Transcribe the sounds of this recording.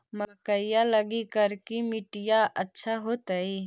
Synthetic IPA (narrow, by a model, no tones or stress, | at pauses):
məkəɪjaləɡikəɾkimɪʈijaʔətːʃʰaɦoːt̪əi